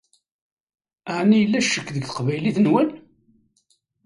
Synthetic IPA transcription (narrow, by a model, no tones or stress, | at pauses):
əʕnijlːæʃəkːðəɡθə̥qvæjliθnwən